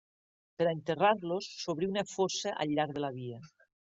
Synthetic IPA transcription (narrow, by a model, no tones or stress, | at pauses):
peɾaent̪eraɾlosːoβɾiunafoseʔa̰ʎːaɾð̞elaβ̞ia